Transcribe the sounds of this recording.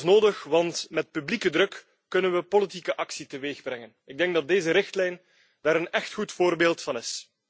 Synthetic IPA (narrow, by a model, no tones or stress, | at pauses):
snoːdəxʋɑntmɛt̚pyblikədrɵkː | ɵnənʋəpolitikəʔɑksitəʋeːɣbrɛŋənɪɡ̚dɛŋɡ̚dɑt̚deːzəɾɪxtlɛjn | d̥aːɾənɛxtxutfoːrbeːlˠtfɑnɪs